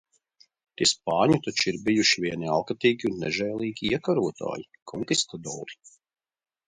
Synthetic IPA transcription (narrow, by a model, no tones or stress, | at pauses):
t̪iɛspɑːɲut̪at͡ʃiɾbijuʃivʲiɛnia̰lˠkat̪iːɡʲiunːɛ̰ʒɛjlˠiːɡʲiiɛkaɾuɔt̪a̰ːji | kʰɔŋkist̪ad̪ɔ̰ːɾi̥